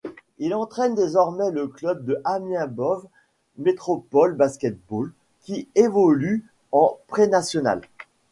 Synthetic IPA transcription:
ilɑ̃t̪χɛnd̪ezɔʁmɛləklœb̚d̪əʔamjɛ̃bɔv | met̪χɔpɔlbaskʲɛt̪̚bol | kʲievɔly | ɑ̃pχenasjɔna̰l

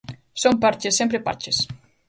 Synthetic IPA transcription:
sompaɾt͡ʃesːẽmpɾepa̰ɾt͡ʃes

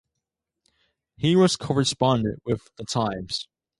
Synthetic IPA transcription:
hiwʌz̥kʰɔɹɨspɑ̃ndɨ̰̃nʔwɪðətʰãɪ̃mz̥

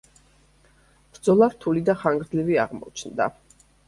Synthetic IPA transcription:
b̥ɾd̪zɔlˠaɾt̪ʰulid̪aχaŋɡɾd̪livia̰ʁmɔ̰t͡ʃʰnd̪a̰

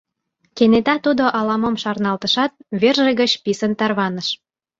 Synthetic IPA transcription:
kenet̪ɑt̪ud̪oʔɑlɑmomʃɑrnɑlt̪əʃɑt̪̚βerʒĕɣə̆t͡ɕpisənt̪ɑrβɑnə̆ʃ

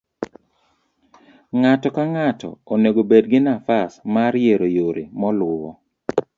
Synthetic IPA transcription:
ŋatɔkaŋatɔ̰oneɡobedɡɪnafasmaɾjeɾojoɾḛmɔlwʊwɔ

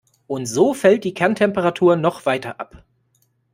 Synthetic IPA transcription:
ʔʊntz̥oːfɛlt̚d̥iːkʰɛɐntʰɛmpəʁatʰuːɐnɔχv̥aɪtɐʔa̰p

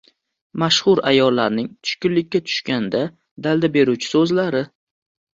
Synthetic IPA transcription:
maʃχʊɾajɒllːaɾnɪŋt̪ʰʊ̥ʃkʲʊnlɪkʲːat̪ʰʊ̥ʃkʲand̪a | d̪ald̪abe̞ɾuwt͡ʃʰɪ̥sɵzlaɾɪ

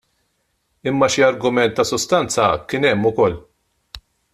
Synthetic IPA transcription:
ɪmːɐʃiɐɾɡʊmɛnt̪ːɐsʊst̪ɐnt͡sɐkɪnɛmːʊkɔlː

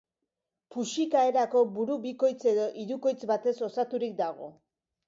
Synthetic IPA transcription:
puʃikae̞ɾako̞buɾuβiko̞jt͡se̞ðo̞ʔiɾuko̞jt͡sbat̪e̞so̞sat̪uɾik̚d̪aɣ̞o̞̰

